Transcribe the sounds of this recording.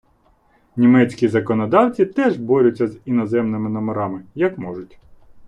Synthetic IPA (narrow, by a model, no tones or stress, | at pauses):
nʲimɛt͡sʲkʲizɐkɔnɔd̪ɑwt͡sʲit̪ɛʒbɔɾʲʊt͡sʲːɐzinɔzɛmnɪmɪnɔmeɾɑmɪjɐkmɔʒʊtʲ